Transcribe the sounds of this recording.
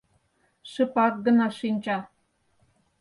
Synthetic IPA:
ʃə̆pɑk̚ɡə̆nɑʃinʲt͡ɕɑ

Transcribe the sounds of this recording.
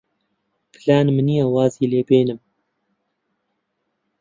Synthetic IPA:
pʰɨlaːnmɨnijawɑːziːleːbeːnɨm

